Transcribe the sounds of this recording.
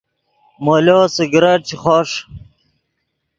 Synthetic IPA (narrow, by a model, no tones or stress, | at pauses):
moloːseɡɾɐʈ̚t͡ɕʰiχoʂ